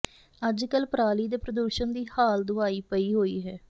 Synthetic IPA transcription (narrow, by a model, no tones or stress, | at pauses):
əd͡ʒkəlpɾaːliːd̪eːpɾəd̪uːʃənd̪iːhaːld̪ʊaːiːpəiːɦoːḭːɦɛː